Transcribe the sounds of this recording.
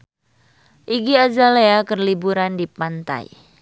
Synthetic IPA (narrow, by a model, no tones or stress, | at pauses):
ʔiɡiad͡ʒaleakərlibuɾandipant̪a̰j